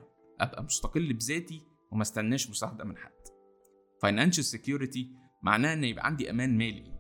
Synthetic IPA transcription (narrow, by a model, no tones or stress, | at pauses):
ʔæ̰bʔæmost̪ɑqelːbezæːt̪i | wemæst̪ænːæːʃmost̪æħd̪æʔmenħa̰d̪̥ː | fɑjnænʃælsekjuːɾet̪i | mʔa̰ʕnæːhæʔenːæjebʔæ̰ʕand̪iʔæ̰mæːnmæːlḭ